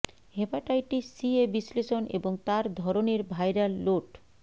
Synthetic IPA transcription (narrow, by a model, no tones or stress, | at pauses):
ɦepaʈajʈisiebisleʃonʔḛboŋt̪aɾd̪ʱɔɾoneɾbʱajɾalːoʈ